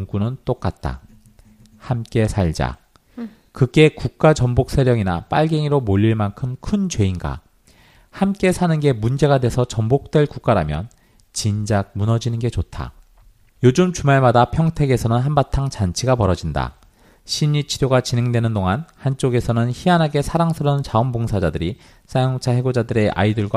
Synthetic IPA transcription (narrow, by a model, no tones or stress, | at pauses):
ŋk͈unɯnt͈ok͈at̚t͈a̰ | hamk͈e̞sʰaʎd͡ʑa̰ | kɯɡe̞kuk̚k͈at͡ɕʌmbok̚s͈ʰeɾjʌŋinap͈aɭɡe̞ŋiɾomoʎːiɭmankʰɯmkʰɯnt͡ɕwe̞inɡa̰ | hamk͈e̞sʰanɯnɡe̞mund͡ʑe̞ɡadwe̞sʰʌt͡ɕʌmbok̚t͈we̞ɭkuk͈aɾamjʌ̰n | t͡ɕind͡ʑaɡ̚munʌd͡ʑinɯnɡe̞t͡ɕotʰa̰ | jod͡ʑɯmt͡ɕumaɭmadapʰjʌŋtʰe̞ɡe̞sʰʌnɯnɦanbatʰaŋt͡ɕant͡ɕʰiɡapʌɾʌd͡ʑinda̰ | ɕʰiɲit͡ɕʰiɾjoɡat͡ɕinɦe̞ŋdwe̞nɯndoŋanhant͡ɕ͈oɡe̞sʰʌnɯnçianɦaɡe̞sʰaɾaŋsʰɯɾʌnt͡ɕaʌmboŋsʰad͡ʑadɯɾi | sʰajoŋt͡ɕʰahe̞ɡod͡ʑadɯɾe̞ʔa̰idɯɭɡwa